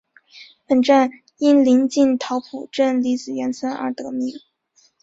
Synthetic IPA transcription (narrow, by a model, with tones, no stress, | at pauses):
pə˨˩nʈ͡ʂa˥˩n | i˥nli˧˥nt͡ɕi˥˩nt̪ʰɑ˧˥ʊpʰu˨˩ʈ͡ʂə˥˩nli˧˥t͡sɹ̩˨˩ɥɛ˧˥nt͡sʰə˥nʔə̰˞˧˥t̪ɤ˧˥mi˧˥ŋ